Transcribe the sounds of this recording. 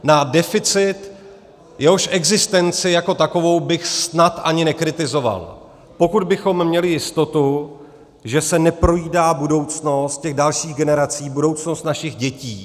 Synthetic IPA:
nadɛfɪt͡sɪt̪ | jɛɦo̞ʃʔɛɡzɪst̪ɛnt͡sɪjako̞t̪ako̞vo̞wbɪxsnat̪ʔaɲɪnɛkɾɪt̪ɪzo̞va̰l | po̞kud̪̚bɪxo̞mːɲɛlɪjɪst̪o̞t̪u | ʒɛsɛnɛpɾo̞jiːdaːbudo̞wt͡sno̞st̪̚cɛɣdalʃiːɣɡɛnɛɾat͡siːbudo̞wt͡sno̞st̪naʃɪɣɟɛciː

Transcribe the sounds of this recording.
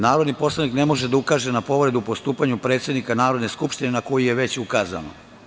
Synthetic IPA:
naːɾo̞d̪nipo̞slˠanikne̞moʒed̪aukaːʒe̞napo̞ʋɾe̞d̪upo̞st̪uːpaɲupɾet̪sʲe̞d̪nikanaːɾod̪ne̞skupʃt̪ine̞nako̞jijeʋe̞t͡ɕukaːza̰no̰

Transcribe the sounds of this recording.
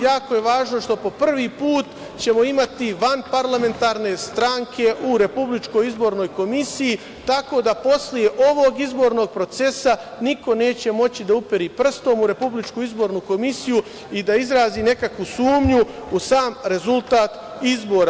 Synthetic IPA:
jaːko̞je̞ʋaːʒno̞ʃt̪o̞po̞pr̩ʋiːpuːt̪ | t͡ɕe̞mo̞imat̪iʋanpaɾlˠame̞nt̪aːɾne̞st̪ɾaŋkʰe̞ʔuɾe̞publit͡ʃko̞jizbo̞ːɾno̞ːjko̞misiji | t̪ako̞d̪apo̞slije̞ʔo̞ʋo̞ɡizbo̞ːɾno̞ɡ̚pɾo̞t̪se̞sa | niko̞ne̞ːt͡ɕe̞mo̞t͡ɕid̪aupeɾiːpr̩st̪o̞ːmuɾe̞publit͡ʃkuizbo̞ɾnuko̞misiju | id̪aizɾaːzine̞kakʋusuːmɲuusaːmɾe̞zulˠt̪aːt̪ | izbo̞ːɾa

